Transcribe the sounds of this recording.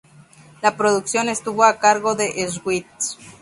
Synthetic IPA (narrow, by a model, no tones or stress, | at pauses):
lapɾo̞ðuksjo̞ne̞st̪uβo̞akaɾɣo̞ðeʔezɣwit̪